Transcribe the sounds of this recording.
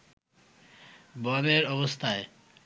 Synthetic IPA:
bɔneɾɔbost̪ʰae

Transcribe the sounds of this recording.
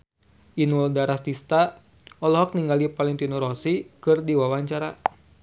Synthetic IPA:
ʔinuldaɾast̪ist̪a | ɔlɔɦɔk̚niŋɡalipaliŋt̪inɔɾɔsikɨrdiwawaɲt͡ʃaɾa

